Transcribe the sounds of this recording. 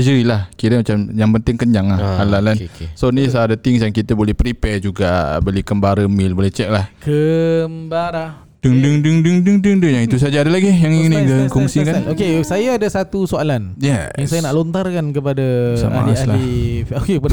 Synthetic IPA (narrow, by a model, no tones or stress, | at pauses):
d͡ʒəɾilahkiɾəmat͡ʃamjaŋpənt̪ɪŋkəɲd͡ʒaŋlahalalansonisaadət̪ɪŋsjaŋkit̪əbolɛhpɾipɛrd͡ʒuɡabəlikəmbaɾəmilbolɛht͡ʃɛk̚lahkəmbaɾa | dəŋdəŋdəŋdəŋdəŋdəŋdəŋjaŋit̪us̬ad͡ʒaːdalaɡijaŋiniɡəkɔŋsikanokesajaːdasat̪usoalanjajaŋsajanaʔlont̪arkankəpadasa̰a̰lisalaiokepad